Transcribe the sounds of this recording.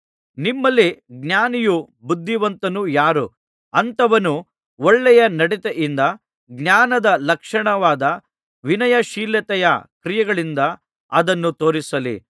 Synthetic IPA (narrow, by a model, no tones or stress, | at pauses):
nimːɐlːiɡnjaːniju | bud̪ʱːiʋɐnt̪ɐnujaːɾu | ɐnt̪ɐʋɐnu | ɔɭːɛjɐnɐɽit̪eʔind̪ɐ | ɡnjaːnɐd̪ɐlɐkʂɐɳɐʋaːd̪ɐ | ʋinɐjɐʃiːljɐt̪ɛjɐkɾijɐɡɐɭind̪ɐ | ɐd̪ɐnːut̪o̞ːɾisɐlḭ